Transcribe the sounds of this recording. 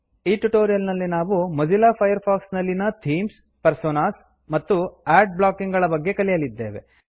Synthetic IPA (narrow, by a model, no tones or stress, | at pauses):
iːʈuʈoːɾijɐlnɐlːinaːʋumɐd͡ʒilaːpʰɐjɐɾpʰaːksnɐlːinɐt̪ʰiːms | pɐɾsoːnaːs | mɐt̪ːuaːɖ̚bɭaːkiŋɡɐɭɐbɐɡːe̞kɐlijɐlid̪ːe̞̰ːʋe̞̰